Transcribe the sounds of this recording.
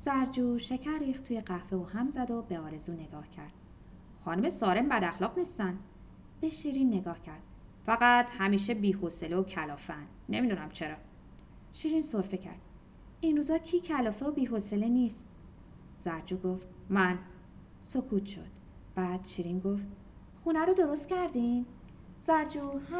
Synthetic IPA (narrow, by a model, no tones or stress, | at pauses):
z̥æɾd͡ʒuːʃe̞cʰæɾːiːxt̪ʰuːjeɢæhfe̞uːhæmzæd̪o̞beɒːɾe̞zuːne̞ɡɒːhcʰæɾd̪̥̚ | xɒːnume̞sɒːɾe̞mbæd̪æxlɒːɣnist̪ænd̪ | b̥e̞ʃiːɾiːnːe̞ɡɒːhcʰæɾd̪̥fæɣæt̪hæmiːʃ̬e̞biːhoseleocʰælɒːfeænd̪ne̞mid̪unæmt͡ʃʰe̞ɾɒː | ʃiːɾiːnso̞ɾfe̞cʰæ̰ɾd̪̥ | inruːzɒːcʰiːcʰælɒːfeobiːɦoseleniːst̪ | z̥æɾd͡ʒuːɡoft̪mæn | sokʰuːt̪ʃo̞̰d̪̥̚ | b̥æːd̪̥ʃiɾiːnɡo̞ft̪ | xunæɾod̪o̞ɾo̞st̪cæɾd̪in | z̥æɾd͡ʒuːhæ